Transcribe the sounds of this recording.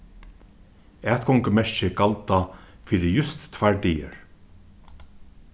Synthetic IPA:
æːt̪kʰɔŋkəmɛɹʃɪkalt̪a | fiːɾɪjʏst̪ːʰvaɹd̪iːə̰ɹ

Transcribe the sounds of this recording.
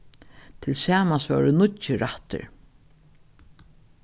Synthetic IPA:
t̪ʰɪlsaːmasvœ̰ːɹʊnʊtt͡ʃɪɾaht̪ɪ̰ɹ

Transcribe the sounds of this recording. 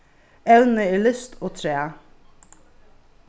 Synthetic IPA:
ɛwnəiːlʏst̪ʰoːt̪ʰɾeː

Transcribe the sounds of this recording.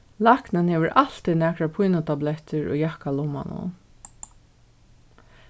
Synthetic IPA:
laknɪnheːʋəɹʔal̥t̪inæːkɹapʰujnʊt̪ʰablɛht̪əɹo̰ːjahkalɔma̰nʊ̰

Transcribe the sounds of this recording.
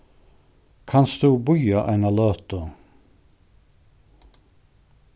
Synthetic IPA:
kʰɑnsd̪ʉːbʊjɑʔæ̰ɪnɑløːt̪ə

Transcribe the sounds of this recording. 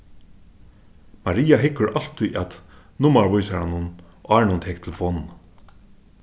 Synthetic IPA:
maɾiːaɦɪkːʊɾʔal̥t̪ʰːujʔat̪ | nʊmaɹvʊjsaɾanʊn | ɑːɹnʊnt̪ʰɛk̚t̪ʰɪlfɔn

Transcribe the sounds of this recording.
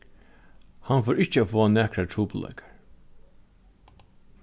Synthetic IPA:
hanfɔːɹɪht͡ʃːəaːfoːanæːkɾatʰɾuːpʊla̰ːkḁɹ

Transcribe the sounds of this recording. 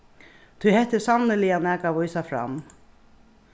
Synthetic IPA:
t̪ʰʊjhɛht̪ːɪsavnɪlɪjanɛːkaʋɔjsafɾa̰m

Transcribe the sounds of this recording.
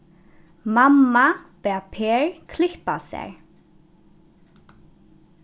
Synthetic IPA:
mamːapɛːpʰeːɹkʰlɪhpasɛ̰ɹ

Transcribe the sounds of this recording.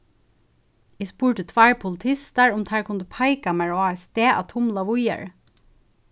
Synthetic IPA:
iːspuːʈət̪ʰʋæːɹpʰʊlt̪ʰɪst̪əɹʊmt̪ʰæːɹkʰʊnd̪əpʰɑɪkɑmæɹʊɑːɛst̪eːʔɑ̰ːt̪ʰʊmlɑʋʊjə̰ɹ

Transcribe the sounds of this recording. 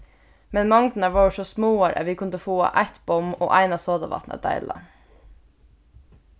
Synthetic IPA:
mɛnmɑŋt̪n̩ɑʋoːʃɔsmoːoːɾʔæ̰ːʋiːkʰʊnd̪əfuːɑ̰ʔæɪt̪bɔmo̰ːʔæɪnɑːsoːd̪ɑʋɑ̰t̪nə̰d̪̥æ̰ɪlɑ̰

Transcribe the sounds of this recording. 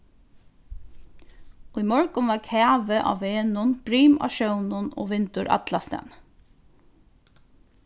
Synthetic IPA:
uimɔɹkʊnʋɑːkʰæːʋəʔɑ̰ːʋeːnʊnb̥ɾiːmɑ̰ːʃœwnʊno̰ːʋɪnt̪ʊɾʔɑ̰t̪lɑst̪æ̰ːn

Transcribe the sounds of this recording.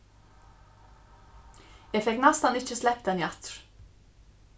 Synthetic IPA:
jɛːfɛknɛst̪ɑnɪc͡çəslɛp̚t̪ɛnjɑt̪ɹ

